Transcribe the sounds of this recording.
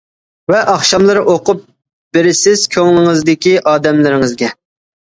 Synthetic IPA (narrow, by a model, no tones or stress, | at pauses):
vɛʔɑχʃɑmlˠɨɾʔoqʊp̚ | b̥ɪɾɪsɪz̥kʲʰøŋlɪŋɨzd̪ɪkʲiʔɑːd̪ɛmlɪɾɪŋɨzɡʲɛ